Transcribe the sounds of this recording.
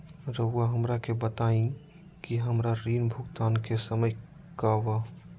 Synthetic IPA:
ɾəuaɦəmɾakebət̪aĩ | kiɦəmɾaɾinbʱuɡt̪ankesəməj | kabə

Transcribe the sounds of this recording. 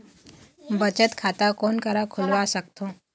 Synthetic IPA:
bət͡ɕət̪kʰat̪akonkəɾakʰulʋasəkt̪o

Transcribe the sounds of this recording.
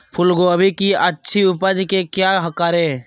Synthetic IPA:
pʰʊlɡoəbʱikiətːʃʰiʊpəd͡ʒkekjaɦəkaːɾe

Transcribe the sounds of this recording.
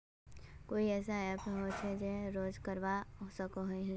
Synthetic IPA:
koːiɛːs̬aɛpɦot͡ʃʰɛd͡ʒeɾoːd͡ʒkəɾʋaɦosəkoɦoiɦ

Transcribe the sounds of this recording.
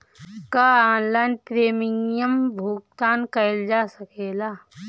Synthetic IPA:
kaaːnlaːnpɾeːmɪŋjəmbʱuːkt̪aːnkɐɪld͡ʒaːsɐkeːlaː

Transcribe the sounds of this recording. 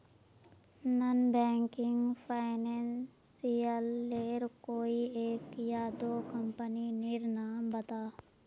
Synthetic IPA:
nənbɛːŋkɪŋɡpʰaːɪnɛːnsijəlːeːɾkoːieːkjad̪oːkəmpəninɪɾnaːmbət̪aː

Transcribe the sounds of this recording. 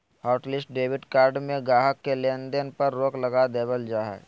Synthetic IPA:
haːʊʈlɪsʈ̚ɖeːʋɪɖkaːɾɖmẽɡaːɦəkːelend̪ənpɐɾːoːklɐɡad̪eːbəld͡ʒaːɦɛ̰

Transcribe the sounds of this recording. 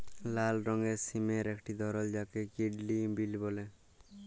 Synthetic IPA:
lalɾɔŋɡɛsimeɾekʰʈid̪ɔɾɔld͡ʒakɛkiɖlibilbɔlɛ

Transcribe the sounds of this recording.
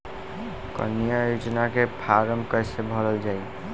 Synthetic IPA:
kɔ̰nijajud͡ʒnakepʰaɾəmkəjsebʱɔləld͡ʒaj

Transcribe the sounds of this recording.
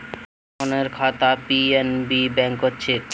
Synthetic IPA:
oneɾkʰat̪apienbibɛŋkotːɕʰe

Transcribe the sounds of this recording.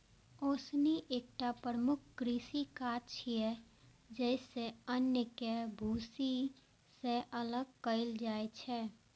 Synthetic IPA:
oːsniʔeːk̚ʈapɾəmʊkʰkɾiːsikat͡ʃʰiɛ | d͡ʒɛɪseənjəkebʱuːsi | seʔələɡ̚kəɪld͡ʒaːet͡ʃʰɛː

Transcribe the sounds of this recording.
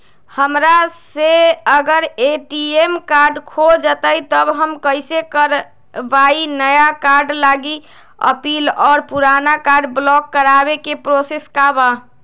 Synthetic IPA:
həmɾaseəɡəɾeʈiemkaɾɖkʰod͡ʒət̪əit̪əbɦəmkəɪsekəɾ | bainəjakaɾɖlaɡi | ə̰pilɔːɾpuɾanakaɾɖblɔkːəɾabekepɾoseskaba

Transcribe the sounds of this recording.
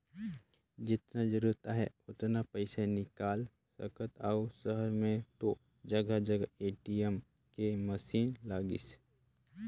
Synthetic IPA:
d͡ʒɪt̪nad͡ʒəɾuːɾt̪aɦɛʊt̪napəɪsanɪkaːl | sɐ̰kʰət̪ausəɦəɾmẽt̪o | d͡ʒɐɡad͡ʒɐɡaeːʈiəm | kemɐsiːnlaːɡɪ̰s

